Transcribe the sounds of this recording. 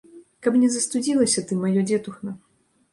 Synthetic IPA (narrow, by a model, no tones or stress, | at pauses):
kɐpnʲɛzɐst̪ud͡zʲilˠɐsʲɐt̪ɨmːajɔd͡zʲɛt̪uxnɐ